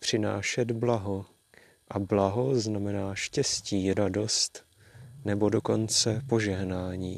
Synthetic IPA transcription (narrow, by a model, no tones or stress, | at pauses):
pr̝̥ɪna̰ːʃɛd̪blaɦo | ʔablaɦo̞znamɛnaːʃcɛsciːɾado̞st̪ | nɛbo̞do̞ko̞nt͡sɛpo̞ʒɛɦnaːɲiː